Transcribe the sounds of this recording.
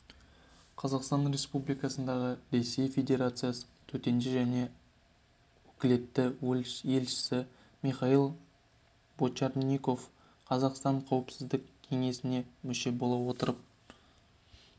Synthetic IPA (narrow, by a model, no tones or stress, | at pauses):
qʰɑzɑqst̪ɑnɾe̞spublijkɑsənd̪ɑʁəɾe̞sːe̞jfʲe̞d̪ʲe̞ɾat̪sɨjasə̥t̪ʰɵt̪e̞ndɪʒæne̞ | wɵkʲɪle̞t̪ːɪwɵlje̞lʃɪ̥sɪ | miχɑilˠ | bot͡ʃɑɾniko̞f | qʰɑzɑqst̪ɑɴqʰɑwəpsɪzd̪ɪkkʲʰe̞ŋe̞sɪne̞mʏʃe̞bo̞lˠɑwo̞t̪əɾəp̚